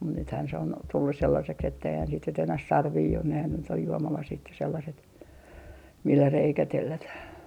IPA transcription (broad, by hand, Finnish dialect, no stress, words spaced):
mut nythæːn se on tulːus selːɑseks etːeihæn sit nyt enæh sɑrʋiː on nehæn nyt oj juomɑlɑsit jɑ selːɑset milːæ reikæ telːætæh